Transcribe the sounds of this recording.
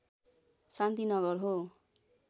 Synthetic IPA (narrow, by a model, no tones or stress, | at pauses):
sant̪inʌɡʌrɦo